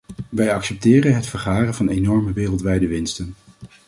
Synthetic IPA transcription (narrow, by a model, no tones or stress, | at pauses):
ʋɛjɑksɛp̚tɪːrənɦətfəɹχaːrənvɑnejnɔɹməʋeːrəlˠtʋɛjdəʋɪnstən